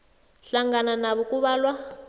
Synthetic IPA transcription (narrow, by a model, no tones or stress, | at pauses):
ɬaŋɡananaβɔkuβaːlwa